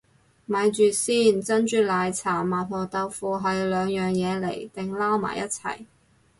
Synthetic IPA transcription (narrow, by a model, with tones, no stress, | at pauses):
mɐ˨˧jt͡ʃyː˨˩siː˥˩nt͡sɐ˥nt͡ʃyː˨˧laː˨˧jt͡sʰaː˨˩maː˨˩nhɔː˨t̪ɐ˧wfuː˨˧ɦɐ˨jlœː˨˧ŋjœː˨ŋjɛː˨˧lḛ˨˩jt̪ɪ˨ŋlaː˥wma̰ː˨˩jʔɐ˥t̚t͡sʰɐ̰˨˩j